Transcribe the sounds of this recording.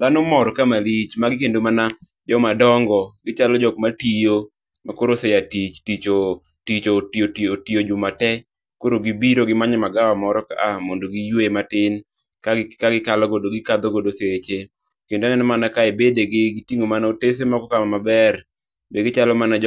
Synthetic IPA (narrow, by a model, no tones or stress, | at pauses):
d̪anɔmɔɾɔkamalit͡ʃmaɡɪkendomana | d͡ʒɔmadɔŋɡɔɡɪt͡ʃalɔd͡ʒɔkmatijo | makoɾosejatit͡ʃtit͡ʃo | tit͡ʃotiotiotijod͡ʒʊmatɛ | koɾoɡibiɾoɡɪmaɲɛmaɡawamɔɾɔka̰ʔamondoɡijwematɪn | kakaɡɪkalɔɡodoɡɪkad̪oɡodoset͡ʃe | kendoŋɛnɔmanakaebedeɡɪɡɪtiŋomanaotes̬emakɔkamamabɛr | beɡɪt͡ʃalɔmanad͡ʒ